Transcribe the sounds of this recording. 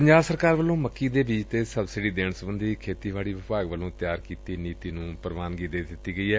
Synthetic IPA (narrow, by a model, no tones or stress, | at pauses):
pəɲd͡ʒaːbsəɾkaːɾʋəlõːməkːiːd̪eːbiːt͡ʃt̪eːsəbsɪɖiːd̪eːɳsəmənd̪iːkʰeːt̪iːʋaːɽiːʋɪpaːɡʋəlõːt̪jaːɾkiːt̪iːniːt̪iːnũːpəɾʋaːnɡiːd̪eːd̪ɪt̪iːɡəiːɛː